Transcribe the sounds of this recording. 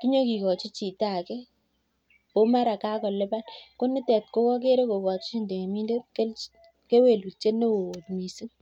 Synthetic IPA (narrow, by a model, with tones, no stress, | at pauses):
ki˦ɲo˦ki˨kɔ˨t͡ʃi˦t͡ʃi˨ta˨kɛ˦ | o˦ma˦ɾa˨ka˦kɔ˨le˦ba˦lko˦ni˦tɛ˨t̚ko˦kɔ˦k̬e˦ɾe˦ko˨kɔ˨t͡ʃi˦nde˨ŋe˨mi˦nde˦t̚ke˦ | ke˦we˨lu˨t͡ʃe˦ne˦wo˨o˨tmi˨si˦ŋ